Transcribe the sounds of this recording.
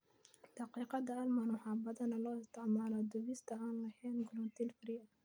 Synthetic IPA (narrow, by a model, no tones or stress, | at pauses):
d̪̥ɑqiːqɑd̪ɐɐlmanwɑħɑːbɐðɐnɐlɔːɪst̪ʰɪʕmaːlɔd̪ʊβist̪ʰɐaːnlɐhɛːnɡʊlɔt̪ʰilfɪɾiːʔ